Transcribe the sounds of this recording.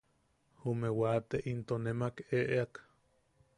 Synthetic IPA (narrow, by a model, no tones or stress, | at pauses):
humewat̪eʔint̪onemakeʔeak